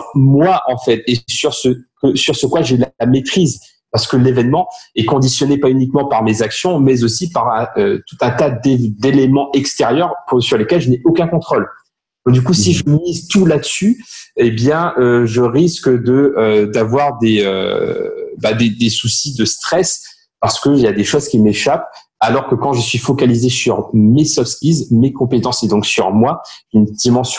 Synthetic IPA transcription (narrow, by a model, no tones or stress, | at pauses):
mwaʔɑ̃fɛt̪esyʁsəkəsyʁsəkwaʒelalamet̪χiz | paʁsə̥kəlevɛnmɑ̃ɛkɔ̃d̪isjɔnepaynikmɑ̃paʁmezaksjɔ̃mɛzosipaʁɛ̃øt̪ut̪ɛ̃t̪ad̪ed̪elemɑ̃ʔɛkst̪eʁjœʁsyʁlekɛlʒəneʔokʲɛ̃kɔ̃t̪χol | d̪ɔ̃d̪ykusiʒəmizt̪ulad̪əsyebjɛ̃øʒəʁiskəd̪əød̪avwaʁd̪eø̰ | bad̪ed̪esusid̪əst̪χɛs | paʁsə̥kəiljad̪eʃozkʲimeʃap̚ | alɔʁkəkɑ̃ʒəsɥifɔkalizesyʁmesɔfspizmekɔ̃pet̪ɑ̃sed̪ɔ̃ksyʁmwaʒynd̪imɑ̃sj